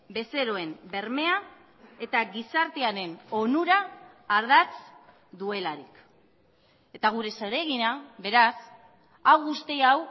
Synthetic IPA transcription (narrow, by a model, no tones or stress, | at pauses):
be̞se̞ɾo̞e̞mbe̞ɾme̞a | e̞t̪aɣisaɾt̪e̞aɾe̞no̞nuɾaː | ɾðat͡s | d̪ue̞laɾik | e̞t̪aɣ̞uɾe̞soɾe̞ɣinaβe̞ɾas | awɣust̪iaw